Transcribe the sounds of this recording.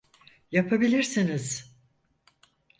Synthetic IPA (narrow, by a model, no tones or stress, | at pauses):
japʰabilʲiɾsiniz̥